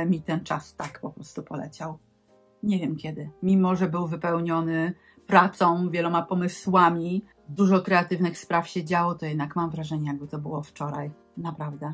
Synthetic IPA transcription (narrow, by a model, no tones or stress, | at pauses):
mʲit̪ɛnt͡ʂast̪akpɔpɾɔst̪upɔlɛ̰t͡ɕaw | ɲevʲjɛmkʲjɛd̪ɘmʲimɔʐɛbɘwvɘpɛwɲɔnɘ | pɾat̪sɔ̃w̃vʲjɛlɔmapɔmɘswamʲi | zd̪uʐɔkɾɛat̪ɘvnɘxspɾafɕɛd͡ʑawɔt̪ɔjɛd̪nakmamvɾaʐɛɲɛjaɡ̚bɘt̪ɔbɘwɔft͡ʂɔɾaj | napɾavd̪ɛ